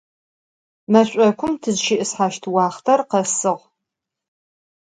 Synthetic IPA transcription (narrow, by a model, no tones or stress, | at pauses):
mɐɕʷʼɐkʷʰʊmtʰɨzʃɪʔɨsħaːʃtʰwɑːχtʰɐrqɐsɨʁ